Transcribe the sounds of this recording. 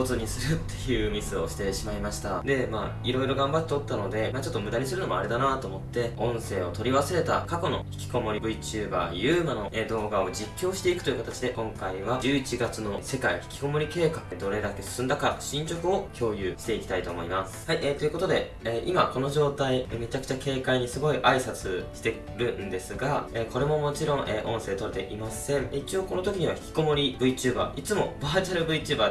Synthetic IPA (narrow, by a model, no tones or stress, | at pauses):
ozɨɲ̟isɨɾɯ̟t̪ːe̞jɯ̟ːmʲizɨo̞ɕi̥t̪e̞ɕimaimaɕi̥t̪ad̪e̞maː | iɾo̞iɾo̞ɡãmbat̪ːet̪ot̪ːano̞d̪e̞mat͡ɕot̪ːo̞mɯ̟d̪aɲ̟is̬ɨɾɯ̟no̞ma̰ɾe̞d̪anat̪o̞ːmo̞t̪ːe̞õ̞ɰ̃se̞ːo̞t̪o̞ɾʲiβaseɾe̞t̪a̰kako̞no̞̰çi̥kʲi̥ko̞mo̞ɾʲibɯ̟it͡ɕɨːba̰ːjɯ̟ːmano̞ed̪o̞ːɡao̞d͡ʑikʲːo̞ːɕi̥t̪e̞ikɯ̟̥ojiɯ̟kat̪at͡ɕid̪e̞kõ̞ŋkaiβad͡ʑɨːit͡ɕiɡat͡sɨno̞se̞kaiçi̥kʲi̥ko̞mo̞ɾʲike̞ːkakɯ̟d̪o̞ɾe̞d̪ake̞sɨ̥sɨ̃nd̪akaɕĩɲ̟t͡ɕo̞kɯ̟o̞kʲʰo̞ːjɯːɕi̥t̪e̞ikʲi̥t̪ait̪o̞ːmo̞̰imasɨ̥haiʔet̪o̞jiɯ̟ko̞t̪od̪e̞ | eːʔimako̞no̞ʑo̞ːt̪aime̞t͡ɕakɯ̟̥t͡ɕake̞ːkaiɲ̟isɨɡo̞iʔaisat͡sɨɕi̥t̪e̞ | ɾɯ̟̃nd̪e̞sɨɡaeko̞ɾe̞mo̞mo̞t͡ɕiɾõ̞ŋʔeːʔõ̞ɰ̃se̞ːt̪o̞ɾet̪e̞̰ʔimasẽ̞ɴit͡ɕio̞ːko̞no̞t̪o̞kʲiɲ̟iβaçi̥kʲi̥ko̞mo̞ɾʲibɯ̟it͡ɕɨːba̰ːʔit͡sɨmo̞̰baːt͡ɕaɾɯ̟bɯit͡ɕɨːbaː